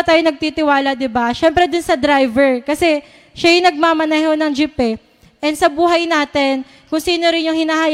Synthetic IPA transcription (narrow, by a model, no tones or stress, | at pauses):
t̪aːjonɐɡ̚t̪it̪ɪwaːlɐd̪ɪbaʃɛmpɾɛd̪ʊnsɐd̪ɾajvɛɹkɐsɛ | ʃɐjʊnɐɡ̚maːmɐnɐjɦonɐŋd͡ʒɪpɛ | ʔɛnsɐbuːɦɐjnaːt̪ɛn | kʊŋsiːnoɾɪnjʊŋhɪnaɦaːj